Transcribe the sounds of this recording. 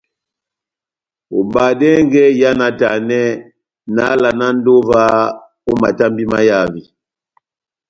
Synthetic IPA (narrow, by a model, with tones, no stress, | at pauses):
o˨ba˨dɛ˦ŋɡɛ˦ja˦na˨ta˨nɛ˦ | na̰˦la˨na˦n˦do˦va˦ | o˦ma˨ta˦mbi˦ma˦ja˦˨vi˨